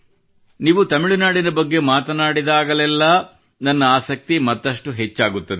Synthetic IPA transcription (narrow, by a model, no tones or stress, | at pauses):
niːʋut̪ɐmiɭunaːɽinɐbɐɡːe̞maːt̪ɐnaːɽid̪aːɡɐlɛlːɐ | nɐnːɐaːsɐk̚t̪imɐt̪ːɐʂʈuɦet͡ʃːaːɡut̪ːɐd̪e